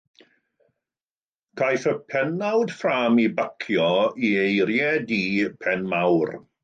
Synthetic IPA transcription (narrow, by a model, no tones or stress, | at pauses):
kʰajθəpʰɛnawd̥fraːmibakʰjɔiejɾjɛdipʰɛnmawr